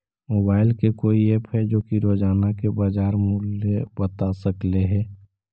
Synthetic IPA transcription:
moːbaːɪlkekoːieːpɦɛd͡ʒoːkiɾoːd͡ʒaːnakebad͡ʒaːɾmʊlebət̪asəkleɦɛː

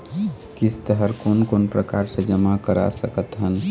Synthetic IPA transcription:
kɪst̪əɦəɾkoːnkoːnpɾəkaɾsed͡ʒəmakəɾa̰səkət̪ɦən

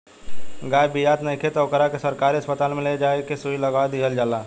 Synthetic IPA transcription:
ɡaːjbijaːt̪nəikʰet̪ɔːkəɾakesəɾkaːɾiəspət̪aːlmẽled͡ʒaːekesuiləɡaːd̪iɦəld͡ʒaːlaː

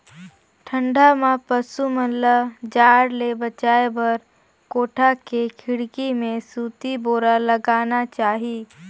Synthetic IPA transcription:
ʈʰə̃ɳɖʱamãpəsuməlːəd͡ʒaːɽlebət͡ʃaːebɐɾ | koːʈʰakekʰɪɽkimẽsuːt̪iboːɾalɐɡaːnat͡ʃaːɦiː

